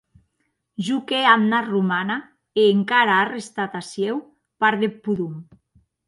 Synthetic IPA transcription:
ʒukeamnarumana | eːŋkaɾaːrest̪at̪asjew | paɾðepːuðum

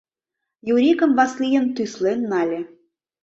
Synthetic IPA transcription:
juɾʲikə̆mvɑslʲijə̆nt̪yslenːɑlʲĕ

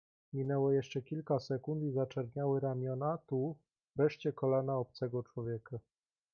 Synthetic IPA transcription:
mʲinɛwɔjɛʂt͡ʂɛkʲilkasɛkund̪izat͡ʂɛɾɲawɘɾamʲjɔnat̪u | vɾɛʂt͡ɕɛkɔlanaɔp̚t̪sɛɡɔt͡ʂwɔvʲjɛka

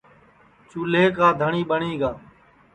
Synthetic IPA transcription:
t͡ʃuːleːkaːd̪ʱəɳiːɓəɳiːɡaː

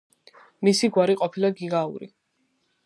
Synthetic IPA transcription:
misiɡwaɾiqʼɔpʰilaɡiɡaṵɾḭ

